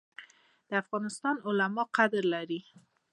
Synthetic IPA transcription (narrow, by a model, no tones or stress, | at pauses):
d̪̥əafɣɑnɪst̪ɑnʊlamɑqad̪ɾlaɾi